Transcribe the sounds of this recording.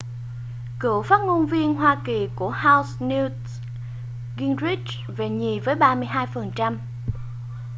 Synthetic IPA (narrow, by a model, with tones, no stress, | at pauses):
kɨ̰˧˩əwfaː˦˥t̚ŋo˧nvi˧ənɦwaː˧ki˨˩ku˧˩əhaː˧wsni˧ | ɣi˧nɹi˦˥t͡ɕ | ve˨˩ɲi˨˩vəː˨˦jɓaː˧mɨ˧əjɦaː˧jfə˨˩nt͡ɕa˧m